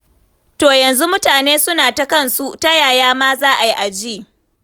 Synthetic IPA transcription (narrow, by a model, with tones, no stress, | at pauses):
toː˨jɐ˨nzu˦mʊ˦taː˨neː˦sʊ˦naː˨ta˦kɐ˦˨nsu˦ʔta˦jaː˨jaː˦maː˦zaː˦ʔa˨ji˦ʔa˨d͡ʒiː˦˨